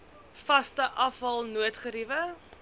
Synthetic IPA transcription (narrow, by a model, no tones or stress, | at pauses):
fɐstəʔɐfɦɐlˠnuətχəɾivə